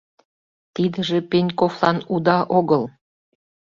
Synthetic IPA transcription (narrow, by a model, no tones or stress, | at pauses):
t̪id̪ə̆ʒĕpenʲkoflˠɑnud̪ɑʔoɣəl